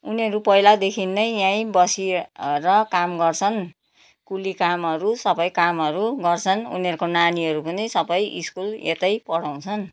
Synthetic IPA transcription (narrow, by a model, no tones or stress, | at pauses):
uniʌɾupʌjlad̪ekʰinːʌjjãĩbʌsiɾʌkamɡʌrt͡sʰʌn | kulikamʌɾusʌbʌjkamɦʌɾuɡʌrt͡sʰʌnṵniʌɾkonaniʌɾupʌnisʌbʌjʔḭskulḛt̪ʌjpʌɽaw̃t͡sʰʌn